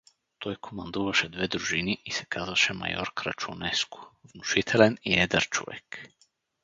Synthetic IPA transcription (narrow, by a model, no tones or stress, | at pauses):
t̪ʰɔjkʰɔmand̪uvaʃɛd̪vɛd̪ɾuʒiniʔisɛ̥kʰazaʃɛma̰jɔ̰ɾkɾa̰t͡ʃunɛsku̥vnuʃit̪ʰɛlɛniɛd̪ɛɾt͡ʃɔ̰vɛ̰k